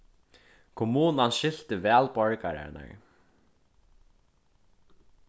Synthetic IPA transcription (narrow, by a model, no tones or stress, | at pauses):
kʰʊmuːnanʃɪl̥t̪ɪʋɛːlpɔɹkaɾa̰na̰ɹ